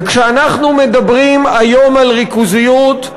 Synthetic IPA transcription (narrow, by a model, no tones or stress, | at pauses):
kʃeanaχnumed̪abʁimajo̞malʁikuzijut̪